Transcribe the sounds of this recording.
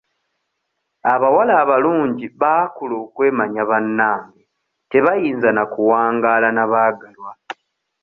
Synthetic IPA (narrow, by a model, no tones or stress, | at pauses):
aβawalaːβaluːɲɟiβaːkulo̞ːkwe̞ːmaɲaβanːaːmi | te̞βajiːnzanakuwaːŋɡalanaβaːɡalwa